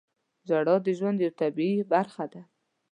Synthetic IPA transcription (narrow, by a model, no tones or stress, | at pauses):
zɑɽɑd̪əʒwand̪jawt̪abiibaɾxad̪a